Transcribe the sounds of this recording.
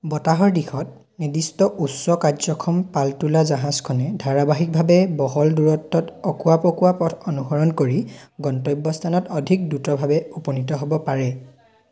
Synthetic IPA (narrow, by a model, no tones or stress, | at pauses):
bɔtaɦɔɹdixʰɔt̚ | nidistɔʔusːɔkadzɔkʰɔmpaltulazaɦãzkʰɔnɛdʱaɹabaɦik̚bʱabɛbɔɦɔlduɹɔtːɔtɔkuapɔkuapɔtʰɔnuɦɔɹɔnkoɹiɡɔntɔjbːɔstʰanɔtɔdʱik̚dutɔbʱabɛupɔnitɔɦobɔpaɹɛ